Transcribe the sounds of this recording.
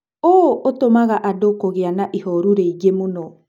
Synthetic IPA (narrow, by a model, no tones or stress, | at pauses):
ootomaɣaʔadokoɣeanaʔihɔɾuɾeiɡemonɔ